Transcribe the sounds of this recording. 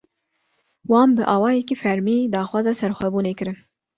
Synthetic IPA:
wɑːmbɨʔɑːwɑːjɛkifɛɾmiːd̪ɑːxwɑːzɑsɛɾxʷɛbuːneːkɨɾɨn

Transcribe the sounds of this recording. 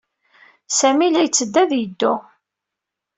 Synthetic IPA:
sæmilæjt͡sːəd̪ːæðjəd̪ːʊ

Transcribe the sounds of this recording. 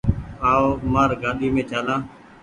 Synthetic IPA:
aːoːmaːɾɡãːɗ̪iːmẽːt͡ʃʰaːlãː

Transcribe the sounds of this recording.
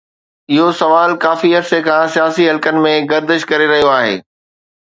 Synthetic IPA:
ɪɦosɐʋaːlkaːfiɐɾsekʰãːsijaːsiɦɐlkənɪ̆mẽɡɐɾd̪əʃkɐɾeɾɐɦijoaːɦḛː

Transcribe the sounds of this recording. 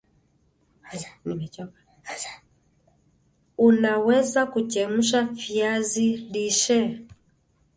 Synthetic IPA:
nimɛt͡ʃɔka | unawɛzakut͡ʃɛm̩ʃafiaziliʃɛ

